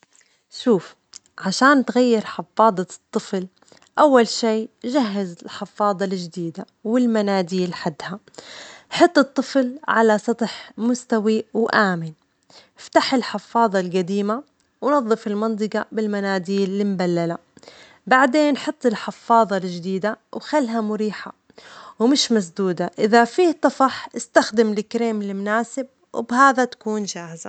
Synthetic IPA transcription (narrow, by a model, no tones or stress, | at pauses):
ʃuːf | ʕaʃaːnt̪ɣajːɪɾħɪfːɑːd̪ˤɑt̪ˤːɨfl | ʔawːalʃiːʒaɦːɪzɪɪlħɪfːɑːðˤɑld͡ʒd̪iːd̪a | wɪlmanaːd̪iːlħad̪ːha | ħɑt̪ˤːɨt̪ˤːɨflʕalasˤɑt̪ˤħmʊst̪awiwʔaːmɪn | ft̪aħɪlħɪfːɑːðˤɑlɡad̪iːma | wnɑðˤːɨfɪlmɑnt̪̬ˤɨɡɑbɪlmanaːd̪iːllɪmbalːala | baʕd̪eːnːħɑt̪ˤːɪlħɪfːɑːðˤɑld͡ʒd̪iːd̪awxalːɦamʊɾiːħa | wmɪʃmas̬d̪uːd̪aʔɪðafiːt̪ˤːɑfɑħʔɪst̪axd̪ɪmlɪkɾeːmɪlːɪmnaːsɪb̚ | wɪbɦaːðat̪ḁkuːnd͡ʒaːhɪza